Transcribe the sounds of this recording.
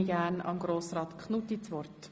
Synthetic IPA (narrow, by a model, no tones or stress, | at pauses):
ɡæːnɑ̰mɡ̥ɾoːsrɑːt̪kχnut̪it͡sʋɔrt̪